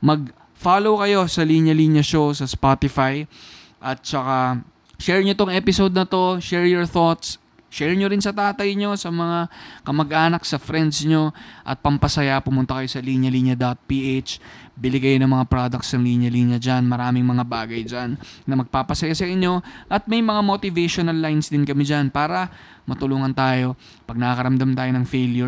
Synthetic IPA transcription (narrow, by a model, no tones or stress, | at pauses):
mɐɡ̚ | falowkɐjo̞sɐliɲjɐliːɲjɐʃowsɐspat̪ɪfaj | ʔɐt̪̚t͡ʃɐka | ʃɛɹɲot̪oŋʔɛːpɪsod̪̚nɐt̪o̞ʃɛɹjoɹθot̪s | ʃɛɹɲoɾɪnsɐt̪aːt̪ɐjɲo̞sɐmɐŋakɐmɐɡʔaːnɐk̚sɐfɾɛnd̪sɲo̞ʔɐ̰t̪̚pɐmpɐsɐjapʊmʊnt̪ɐkɐjo̞sɐliɲjɐliːɲjɐd̪at̪̚piʔet͡ʃbɪlɪkɐjo̞nɐŋmɐŋapɾod̪ɐkt̪snɐŋliːɲjɐliɲjɐd͡ʒanmɐɾaːmɪŋmɐŋabaːɡɐjd͡ʒannɐmɐɡ̚papɐsɐjasɐʔɪɲːo̞ʔɐt̪̚mɐjmɐŋamot̪ɪvɛʃonɐlːajnsd̪ɪnkɐmɪd͡ʒanpaːɾɐ | mɐt̪ʊluːŋɐnt̪aːjo̞ | pɐɡ̚nɐkɐkɐɾɐmd̪amt̪aːjonɐŋfejljʊ